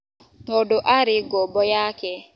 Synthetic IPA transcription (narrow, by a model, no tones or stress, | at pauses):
nɔdoʔaɾɪɡɔbɔjakɛ